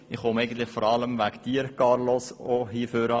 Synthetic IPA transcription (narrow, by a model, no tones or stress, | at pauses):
ɪχhomɛɪɡən̩t̪lɪχfɔɾɑləmvækd̥̪iːəɾkɑɾlɔsohiːføɾə